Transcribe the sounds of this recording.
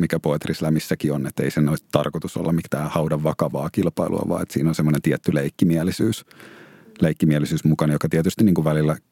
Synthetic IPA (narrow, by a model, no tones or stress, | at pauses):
mikæpoet̪rislæmisːækionet̪ːeisenoitt̪ɑrkot̪uso̰lːɑmikt̪æːhɑwdɑʋʋɑkɑʋɑːkilpɑilṵɑ̰ʋɑ̰ːḛt̪siːnonsemːonent̪iɛt̪ːyleikːimiælisyːs | leikːimiælisyːsmukɑnjokɑt̪iɛt̪yst̪iniːkuʋʋælilːæ